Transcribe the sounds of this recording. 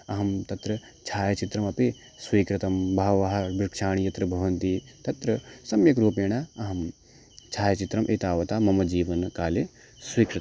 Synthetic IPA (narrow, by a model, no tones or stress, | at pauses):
ɐɦɐmt̪ɐt̪ɾɐ | t͡ʃʰaːjɐt͡ʃit̪ɾɐmɐpi | sʋiːkɾɪt̪ɐmbʱɐɦʋɐɦɐɾbɾɪkʃaːɳ̃ijɐt̪ɾɐbʱɐʋɐnt̪i | t̪ɐt̪ɾɐsɐmjɐkɾoːpeːɳ̃aɐɦɐm | t͡ʃʰaːjɐt͡ʃit̪ɾɐmʔeːt̪aːʋɐt̪aːmɐmɐd͡ʒiːʋɐnkaːle | swiːkɾɪt̪ɐ